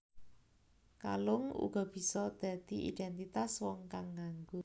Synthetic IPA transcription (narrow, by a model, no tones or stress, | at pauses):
kalʊŋṵɡ̥ɔ̤b̥i̤sɔd̪̥a̤d̪̥iʔḭd̪̥ɛnt̪it̪aswɔŋkaŋːaŋɡʊ